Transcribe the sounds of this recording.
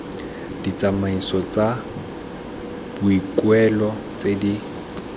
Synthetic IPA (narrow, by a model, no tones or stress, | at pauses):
d̥it͡sʼamaisɔt͡sʼa | b̥ʊikwɛlɔ | t͡sedi